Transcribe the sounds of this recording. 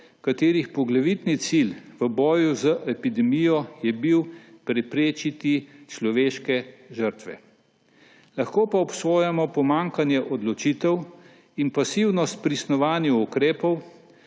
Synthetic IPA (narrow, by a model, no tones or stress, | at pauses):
kat̪eːɾixpɔɡlaʋit̪nit̪silʋəbɔːjuzəʔɛpid̪ɛmijɔjɛbiwpɾɛpɾeːt͡ʃit̪it͡ʃlɔʋeːʃkɛʒəɾt̪ʋɛ̰ | laxkoːpaɔpsoːjamɔpɔmaŋkanjɛʔɔd̪lɔt͡ʃit̪ɛw | inpasiwnɔst̪̚pɾisnɔʋaːnjuukɾeːpɔw